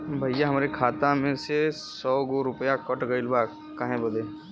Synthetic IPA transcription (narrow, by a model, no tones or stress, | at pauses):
bʱəjjaɦɐmaɾekʰaːt̪ãmẽse | sɔːɡoɾʊpjakəʈɡəɪlbaːk | kːaːɦẽbod̪eː